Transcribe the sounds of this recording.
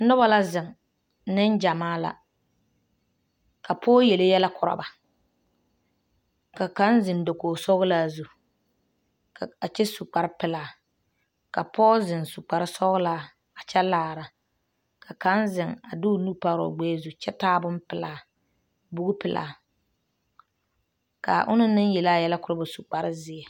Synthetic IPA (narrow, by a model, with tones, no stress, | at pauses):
nʊ˦ba˦la˦zɪ˨ŋ | nɪ˦n˦d͡ʒa˨maː˦la̰˨ | ka˨pʰɔː˦jɛ˨le˦jɛ˦la˦kʰʊ˨ɾa̰˨ba˨ | ka˨ka˦nzɪ˨n˨do˨koː˨sɔ˦ɣʊ˦laː˦˨zu˦ | ka˨a˨t͡ʃɛ˦su˨k͡pa˨ɾɪ˦pɪ˦˨laː˨ | ka˨pɔː˦zɪ˨nsu˨k͡pa˨ɾɪ˦sɔ˦ɣʊ˦laː˦ | a˨t͡ʃɛ˦laː˦˨ɾa˨ | kʰa˨ka˦nzɪ˨ŋa˨dʊ˦˨nu˦pa˦ɾɔ̰˨ɡ͡bɛː˦zu˦t͡ʃɛ˦taː˦bʊ˦m˦pɪ˨laː˦˨ | bʊ˦ɣʊ˦pɪ˨lʔa̰ː˨ | ka̰˨ʔʊ̰˦nʊ˦nɨ˦njɛ˨la˦jɛ˦la˦kʊ˦ɾa˦ba˨su˨k͡pa˨ɾɪ˦zɪ˦ɛ˨